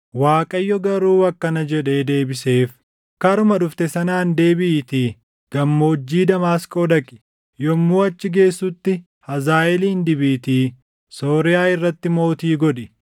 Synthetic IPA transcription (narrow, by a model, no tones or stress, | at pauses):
waːkʼɐjːɔɡɐɾuːɐkːɐnɐd͡ʒɛᶑe̞ːd̪e̞ːbɪse̞ːf | kɐɾʊmɐᶑʊft̪ɛsɐnaːnd̪e̞ːbɪːt̪iː | ɡ̥ɐmːo̞ːd͡ʒːiːd̪ɐmaːskʼoːd̪ɐkʼɪ̥ | jɔmːuːɐt͡ʃːɪɡe̞ːsːʊt̪ːɪ | hɐzaːʔɛliːnd̪ɪbiːt̪iː | so̞ːɾɪjaːɪrːɐt̪ːɪmo̞ːt̪iːɡɔᶑɪ